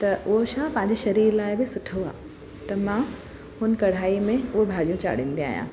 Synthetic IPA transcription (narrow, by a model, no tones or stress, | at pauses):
t̪ɐʔʊɦoʃaːɦpɐ̃ɦɪ̃ɲ̆d͡ʑeʃɐɾiːɾlaːɪbɪsʊʈʰoa̰ː | t̪ɐmã | hʊn̆kɐɽ̤aːimẽʊɦobʱaːd͡ʑijũt͡ɕa̰ːɽ̤ĩːn̆d̪ia̰ːijã̰ː